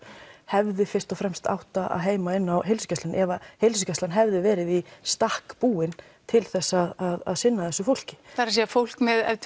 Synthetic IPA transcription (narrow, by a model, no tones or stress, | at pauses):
hɛvðɪfɪr̥t̪ɔfɾɛmst̪a̰wht̪aa̰ðɦeːjmaɪnːawɦejlsʏ̥cast̪lanʔɛvahelsʏcɛst̪anɦɛvðɪvɛːɾɪðist̪ahkpuːɪn | t̪ʰɪlθɛsːaðaða̰ðsɪnːaðɛsʏfowl̥cɪ̥θaɾas̬eafowl̥kmɛðɛ̰t̪